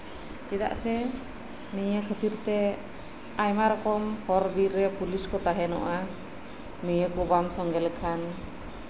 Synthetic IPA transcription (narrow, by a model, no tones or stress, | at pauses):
t͡ʃid̪a̰ʔsɛ | nijəkʰət̪iɾt̪ɛ | ajmaɾɔkɔmhɔɾbiɾːɛpuliskɔt̪aɦɛnɔ̰ʔa | nəjəkubamsɔŋɡɛlkʰan